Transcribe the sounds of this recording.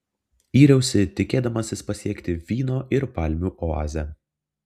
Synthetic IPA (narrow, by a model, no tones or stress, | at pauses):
iːɾʲɛʊsʲɪt̪ʲɪkʲeːd̪ɐmɐsʲɪspɐsʲiɛkt̪ʲɪʋʲiːnoːʔɪɾpɑlʲmʲuːʔoa̰ːzʲɛ